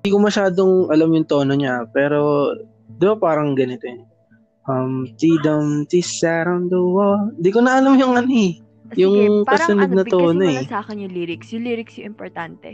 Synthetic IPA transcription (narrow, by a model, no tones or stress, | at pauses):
nd̪iːkomɐʃaːd̪oŋʔɐlɐmjʊŋt̪o̞ːnoɲapɛːɾo̞ | d̪ɪbapaːɾɐŋɡɐnɪt̪o̞ɛ | ʔɐmt̪iːd̪ɐmt̪isaɾɐnd̪owand̪iːkonɐʔɐlɐmjʊŋʔɐnoɛ | jʊŋkɐsʊnɐd̪nɐt̪oːnoɛsaːkɪnjʊŋliːɾɪksjʊŋliːɾɪksjʊʔɪmpoɾt̪ant̪ɛ